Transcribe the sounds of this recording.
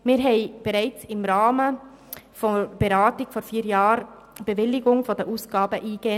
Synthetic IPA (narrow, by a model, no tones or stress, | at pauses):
mɪɾɦɛɪb̥ɛɾɛɪt͡sɪmɾɑːmə | fɔb̥eɾɑːtɪɡ̥fɔɾfiːəɾjɑːɾ | b̥ɛvɪlɪɡʊŋfɔdəʔuːsɡ̥ɑːbəʔiːɡ̥eː